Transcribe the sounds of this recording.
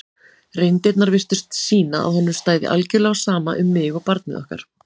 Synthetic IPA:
rejnt̪et̪naɾvɪst̪ʏst̪siːnaa̰ðhɔnːʏmst̪aːjðɪ̰ʔalcɪlɛɣasaːmaʔʏmːɪːɣɔpaɾt̪nɪ̰ðɔ̰hka̰ɾ̥

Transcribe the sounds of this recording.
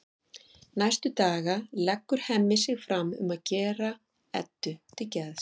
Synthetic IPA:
najst̪ʏt̪aːɣalɛkːʏɾ̥hɛmːɪsɪɣfɾamʏ̰maðcɛːra | ɛ̰t̪ːʏt̪ʰɪlcɛð̥

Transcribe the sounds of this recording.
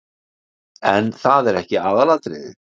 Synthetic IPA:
ɛnθaðɛɾɛhcɪaːðalat̪ɾɪðɪ̰

